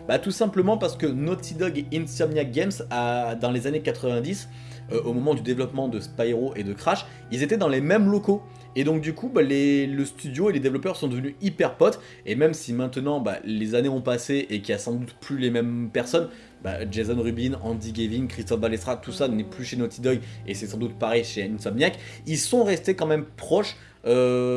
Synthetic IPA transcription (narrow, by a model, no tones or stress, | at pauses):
bat̪usɛ̃pləmɑ̃paʁsə̥kənɔt̪id̪ɔɡinsɔmjaɡʲɛmsad̪ɑ̃lezanekat̪χəvɛ̃d̪is | øʔomɔmɑ̃d̪yd̪evlɔpmɑ̃d̪əspajʁoʔed̪əkχaʃ | ilzet̪ɛd̪ɑ̃lemɛmlɔko | ed̪ɔ̃k̚d̪ykubaleləst̪yd̪joeled̪evlɔpœʁsɔ̃d̪əvənyipɛʁpɔt̪ | emɛmsimɛ̃t̪nɑ̃ba̰lezaneɔ̃paseʔekʲiasɑ̃d̪ut̪plylemɛmpɛʁsɔn | ba̰ʒezɔnʁybinɑ̃d̪iɡʲeviŋkχist̪ɔfbalɛst̪χat̪usanɛplyʃenot̪ʰid̪ɔjesɛsɑ̃d̪ut̪̚paʁɛjʃeynsɔbnjak | ilsɔ̃ʁɛst̪ekɑ̃mɛmpχɔʃ | ø